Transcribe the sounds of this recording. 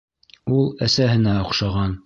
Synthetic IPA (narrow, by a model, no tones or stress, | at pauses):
ulˠæsæɦɘ̆næŏχʃɑʁɑn